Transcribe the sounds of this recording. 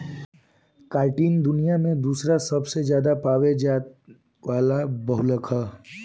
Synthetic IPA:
kaːɾʈiːnd̪ʊnijamẽd̪uːsɾasɐbsezjaːd̪apaːʋed͡ʒaː | ʋaːlabɐɦʊləkʰaː

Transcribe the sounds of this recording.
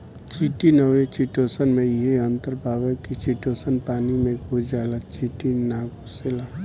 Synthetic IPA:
t͡ʃiːʈinəwet͡ʃiːʈoːsənmẽjɪɦeɐ̃nt̪əɾbʱaːʋəkit͡ʃiʈoːsənpaːnimẽkod͡ʒaːlat͡ʃiːʈinaːɡoselaː

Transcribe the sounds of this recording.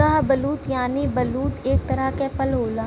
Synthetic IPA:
aːbəluːt̪jaːnibəluːt̪eːk̚t̪əɾakepəlɦoːlaː

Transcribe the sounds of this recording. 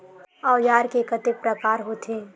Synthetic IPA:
ajaːɾkekɐt̪epɾəkaːɾɦot̪ʰeː

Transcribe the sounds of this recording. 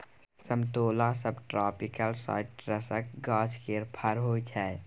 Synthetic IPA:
səmt̪oːlasəbʈɾɔːpikəlsa̰ːɪʈɾəsək̚ɡaːd͡ʒkeɾpʰəɾɦoːit͡ʃʰɛː

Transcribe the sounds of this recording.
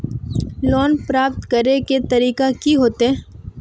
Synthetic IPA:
lɔːnpɾaːp̚t̪kɐɾeket̪ɐɾiːkakiɦoːt̪eɦɛ̃ː

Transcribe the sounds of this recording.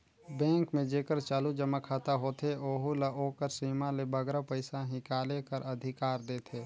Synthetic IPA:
bɛ̃ːŋkmẽd͡ʒeːkəɾt͡ʃaːlud͡ʒəmakʰaːt̪aɦoːt̪ʰeoːɦulaʔoːkəɾsiːmãlebəɡɾapəɪsãɦɪkaːlekəɾɐd̪ʱɪkaːɾd̪eːt̪ʰeː

